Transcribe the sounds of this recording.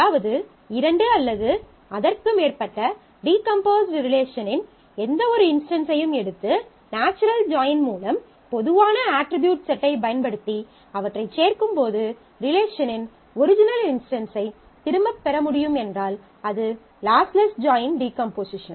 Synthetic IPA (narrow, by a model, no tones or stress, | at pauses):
aːʋɐðɯ | ɪɾɐɳɖɯɐlːɐðɯ | ɐðɐrkɯmeːrpɐʈːɐ | ɖiːkɐmpoːsʈɾɪleːʂɐnɪn | ɛnd̪ɐɔɾɯɪnsʈɐnsɐjɯmɛɽɯt̪ːɯ | naːt͡ʃːɐɾɐld͡ʒaːjɪnmuːlɐm | pɔðɯʋaːnɐaːʈɾɪbjuːʈsɛʈːɐɪpɐjɐnpɐɽɯt̪ːi | ɐʋɐʈːrɐɪt͡ʃːeːrkɯmpoːðɯ | ɾɪleːʂɐnɪn | ɔɾɪd͡ʒɪnɐlɪnsʈɐnsɐɪ | t̪ɪɾɯmbɐpːɛɾɐmʊɽɪjɯmɛndraːl | ɐðɯ | laːslɐsd͡ʒaːjɪnɖiːkɐmpoːsɪʂɐn